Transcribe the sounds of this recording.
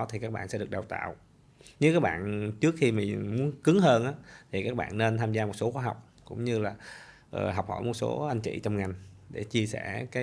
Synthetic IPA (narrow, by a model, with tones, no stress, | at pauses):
t̪ʰi˨˩kaː˦˥k̚ɓaː˧˨sɛ̰˧˥ɗɨ˨˩ək̚ɗwt̪a̰ː˧˨w | ɲɨ˨˦kaː˦˥k̚ɓa̰ː˧˨nt͡ɕɨ˦˥ək̚xi˧mi˨˩mu˨˦ənkɨ˨˦ŋhəː˧nʔaː˨˦t̪ʰi˨˩kaː˦˥k̚ɓa̰ː˧˨nːe˧nt̪ʰaː˧mzaː˧mo˨˩t̚so˨˦xwaː˨˦ɦa˨˩wk͡p̚kʊ̰˧˥ŋ͡mɲɨ˧laː˨˩ | ʔəː˨˩ɦa˨˩wk͡p̚hɔ̰˧˩jmo˨˩t̚so˨˦ʔa˧jŋ̟t͡ɕḭ˧˨t͡ɕɔ˧wŋ͡mŋa˨˩jŋ̟ɗe˧˩t͡ɕi˧əsɛ˧˩kaː˨˦